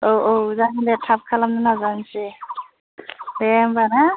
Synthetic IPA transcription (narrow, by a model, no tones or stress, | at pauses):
owʔowzanidɛtʰap̚kʰalamnanazansi | bɛmbana